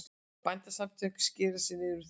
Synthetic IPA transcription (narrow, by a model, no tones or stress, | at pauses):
pajnt̪asamt̪ʰœ̥kscɪːðasɪnːɪʏɾʏθ